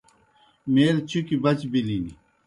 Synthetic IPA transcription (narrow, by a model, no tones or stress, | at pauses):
meːɾt͡ɕʰukibɐt͡ɕbilini